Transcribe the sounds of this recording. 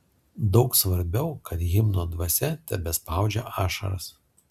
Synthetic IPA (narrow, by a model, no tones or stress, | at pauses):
d̪ɒʊksʋɐɾʲbʲɛʊkɐt̪jɪmnoːd̪ʋɐsʲɛt̪ʲɛbʲɛspɑˑʊd͡ʒʲɛʔɑːʃɐ̰ɾɐ̰s